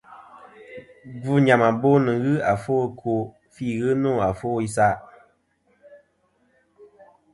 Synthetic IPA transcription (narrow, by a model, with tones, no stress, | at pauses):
ɡu˦ɲa˨ma˨bo˦nɨ˨ɣɨ˦a˨fo˦˨kʰo˦ | fi˦˨ɣɨ˦no˦˨a˨fo˦i˦s̬a˦